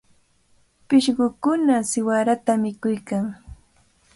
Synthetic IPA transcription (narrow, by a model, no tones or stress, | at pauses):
pɪʃɢʊkʊnasɪwaɾat̪amɪkʊjkaŋ